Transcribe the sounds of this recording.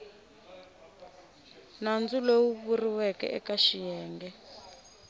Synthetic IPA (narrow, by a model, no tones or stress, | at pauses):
nand͡zulowuβuriwɛkɛ̰ʔɛkaʃijɛːŋɡɛ